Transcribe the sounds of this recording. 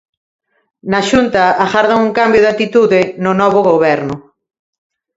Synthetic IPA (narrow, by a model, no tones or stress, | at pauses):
nɐʃunt̪ɐaɣaɾðaŋuŋkambjʊðat̪it̪uðɪnʊnɔβʊɣoβɛɾnʊ